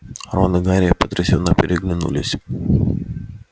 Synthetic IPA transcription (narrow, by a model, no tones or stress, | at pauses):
ronɨɡaɾʲɪjəpət̪ɾʲɪsʲɪnːopʲɪɾʲɪɡlʲɪnṵlʲɪsʲ